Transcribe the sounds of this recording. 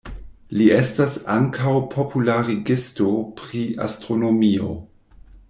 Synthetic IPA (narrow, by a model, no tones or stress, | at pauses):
liestasaŋkʰawpʰopʰulaɾiɡistopɾia̰stɾo̞no̞mio̞̰